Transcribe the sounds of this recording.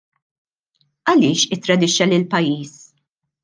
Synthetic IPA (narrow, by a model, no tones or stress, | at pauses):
ʔɐlɪːʃɪt̪ːɾɐd̪ɪʃɐlɪlpɐjːiːs